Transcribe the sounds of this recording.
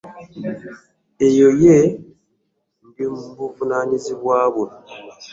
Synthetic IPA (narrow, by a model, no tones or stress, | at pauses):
ejoje | mbimuβuvunaniziβwaːβwu